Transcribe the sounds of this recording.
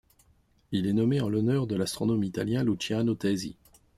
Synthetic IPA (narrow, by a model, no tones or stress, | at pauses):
ilɛnɔmeɑ̃lɔnœʁd̪əlast̪χɔnɔmit̪aljɛ̃lut͡ʃiʁanot̪ɛzḭ